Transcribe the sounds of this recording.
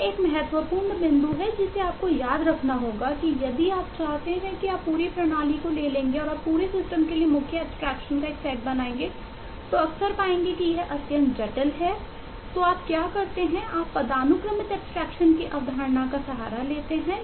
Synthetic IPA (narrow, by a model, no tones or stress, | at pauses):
eːkmɐɦɛt̪wəpuːɾɳbɪ̃nd̪uɦɛd͡ʒɪseaːp̚kojaːd̪ɾɐkʰnaɦoːɡakijɐd̪iaːpt͡ʃaːɦt̪eɦɛ̃kiaːpːuːɾipɾɐɽ̃aːlikoleːlẽːŋɡeɔːɾaːpːuːɾesɪsʈəmkeliemʊkʰjəɛbsʈɾɛːkʃənkaeːksɛːʈ̚bɐnaːẽːŋɡe | t̪oɐksəɾpaːẽːŋɡekijɐɦʔɐt̪jə̃nt̪d͡ʒɐʈəlɦɛ | t̪oːaːpkjaːkɐɾt̪eɦɛ̃ʔaːpːɐd̪aːnʊkɾəmɪt̪ɛpsʈɾɛːkʃənkiʔɐʋd̪ʱaːɾnakasɐɦaːɾaleːt̪eɦɛ̃ː